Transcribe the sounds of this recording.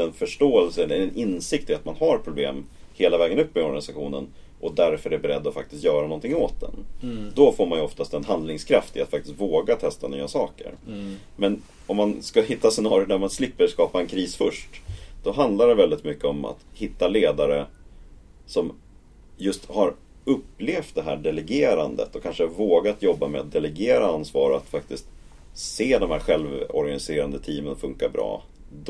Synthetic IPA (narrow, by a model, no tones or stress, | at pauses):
ɛnfœʂʈoːɛlsəɛlːəɛnʔɪnsɪk̚t̪ɪat̪manɦaɾpʰɾʊblḛːmheːlavɛːɡənɵpːɛɔɾɡanɪsaɧṵːnə̰n | ʔɔd̪æɾfœɾɛæbɛɾɛ̰d̪ːɔfak̚t̪ɪst̪jœːɾanɔnt̪ɪŋːoːt̪̚d̪ɛ̰nd̪ɔfoːɾmanjəɔft̪ast̪ɛnɦand̪lɪŋskʰɾaft̪ɪ̰at̪fak̚t̪ɪst̪voːɡat̪ʰɛst̪any̰ːasɑːkə̰ɾmɛn | ɔmːanskahɪt̪ːasɛnɑːɾjʊɖæɾmanslɪpːəɾskɑːpaɛnkʰɾiːsfœʂʈd̪̥ɔɦand̪laɖɛvɛld̪ɪt̪mʏkːəɔma̰t̪hɪt̪ːaleːd̪aɾə | sɔm | jɵst̪haɾ | ɵpːleːft̪̚d̪ɛɦæ̰ːɖɛlɛɡeːɾand̪ə̰t̪ɔkʰanʂəhavoːɡat̪jɔbːamɛ̰a̰t̪̚d̪ɛlɛɡeːɾaansvɑːɾəat̪fak̚t̪ɪst̪ | seːd̪ɔmhæːɾɧɛlvɔ̰ɾɡanɪseːɾand̪ət̪ʰiːmənfɵŋkabɾɑ̰ː | d̪